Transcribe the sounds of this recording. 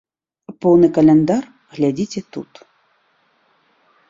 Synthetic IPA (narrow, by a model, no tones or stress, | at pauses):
pɔwnɨkɐlʲɛnd̪ar | ɣlʲad͡zʲit͡sʲɛt̪ṵt̪